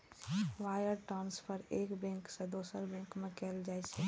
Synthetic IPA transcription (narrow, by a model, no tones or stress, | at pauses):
ʋaːjəɾʈanspəɾeːkbɛ̃ŋksẽd̪oːsəɾbɛ̃ŋkmẽkɛːld͡ʒaːɛt͡ʃʰɛ